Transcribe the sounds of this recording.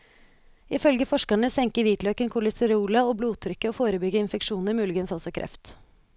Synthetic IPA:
ɪfœlɡəfɔʂkɑɳəsɛŋkəʋiːt̪lœkənkʰʊlɪsəɾuːlɑoːbluːt̪ʰɾʏkːəoːfoːɾəbʏɡəɪnfɛkʂuːnəɾmʉːlɪɡənsɔsɔkʰɾʔɛ̰ft̪

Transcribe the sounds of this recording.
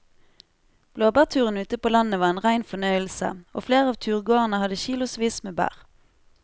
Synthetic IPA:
b̥loːbæːʁt̪ʰʉːʁənʉːt̪əpʰoːlɑnəʋɑːʁeːnʁæɪnfɔnœʏəlsə̰o̰ːfleːʁəɑːʋt̪ʰʉːʁɡoːənəhɑd̪əçiːlʊsʋiːsmeːbæ̰ːʁ

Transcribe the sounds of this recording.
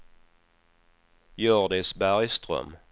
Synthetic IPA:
jøːʁd̪ɪsbæʁjst̪ʁœ̰m

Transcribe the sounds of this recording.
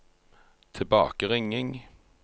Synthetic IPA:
t̪ʰɪbɑ̰ːkəʁɪŋɪŋ

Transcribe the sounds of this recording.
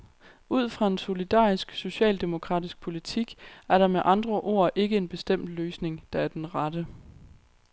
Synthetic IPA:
ʔuð̰ˠfʁɑ̈e̝nso̝lid̥ɑ̰̈ːisɡ̥so̝ɕɛ̰ːld̥e̝mo̝kʰʁɑ̰̈ːd̥isɡ̥̚pʰo̝lit͡sʰiɡ̥æɐɾɑ̈meʔɑ̈nd̥ʁɐʔo̝̰ːɐʔe̝ɡ̥əe̝nb̥e̝sd̥em̰d̥løːsne̝ŋd̥ɑ̈æɐd̥enʁɑd̥ə

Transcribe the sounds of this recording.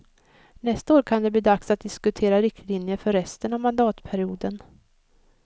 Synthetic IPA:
nɛst̪aoːɾkʰand̪ɛbliːd̪aksat̪̚d̪ɪskɵt̪ʰeːɾaɾɪk̚t̪liːnjəfœɾːɛst̪ənavmand̪ɑːt̪pʰæɾɪuːd̪ən

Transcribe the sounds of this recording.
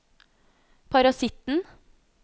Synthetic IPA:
pʰɑɾɑsɪt̪n̩

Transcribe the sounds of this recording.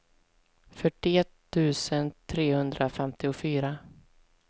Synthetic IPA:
fœʈːɪɛt̪ʰːʉ̟ːsənt̪ʰɾeːhɵnd̪ɾʔafɛmt̪ɪʊfyːɾa

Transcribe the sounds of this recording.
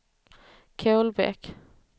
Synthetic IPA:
kʰɛlbɛ̰k

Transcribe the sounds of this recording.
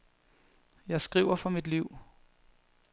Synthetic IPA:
jɑ̈ɪsɡ̥ʁiʊ̰ɐfɒmid̥liʊ̰

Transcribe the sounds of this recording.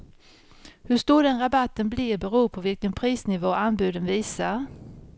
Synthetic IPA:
hɵʂt̪uːɖɛnɾabat̪ːənblɪbɛɾuːpʰɔvɪlkənpʰɾiːsnɪvoːanbʉ̟ːd̪ənviːsaɾ

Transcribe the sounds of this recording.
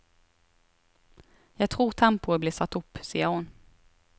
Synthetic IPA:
jɑːɡ̚t̪ʰɾuːɾt̪ʰampʊəblɪːsat̪ːɵpːsiːəɾhʊn

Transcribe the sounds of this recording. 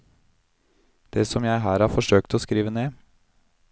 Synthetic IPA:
d̪̥eːsɔmjæɪɦæːɾhɑːɾfɔʂøːkt̪oːskɾiːʋəneː

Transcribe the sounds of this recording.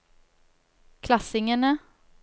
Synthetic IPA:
kʰlɑsɪŋənə

